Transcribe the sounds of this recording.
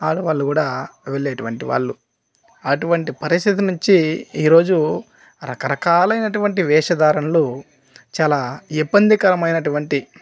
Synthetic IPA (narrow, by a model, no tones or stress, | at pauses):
aːluʋaːɭːukuːɽaːʋeɭːeːʈuʋɐɳʈiʋa̰ːɭːu | ɐʈuʋɐɳʈipɐɾist̪ʰit̪̬inuɲt͡ʃiːɾo̞ːd͡ʒu | ɾɐkɐɾɐkaːlɐjnɐʈuʋɐɳʈiʋɛːʂɐd̪aːɾɐnɐlo | t͡ʃaːlaːibːɐnd̪ikɐɾɐmɐjnɐʈuʋɐɳʈi